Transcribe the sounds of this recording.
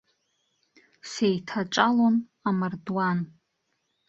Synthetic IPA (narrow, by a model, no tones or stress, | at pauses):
sejtʰaʈ͡ʂʼalon | amardwan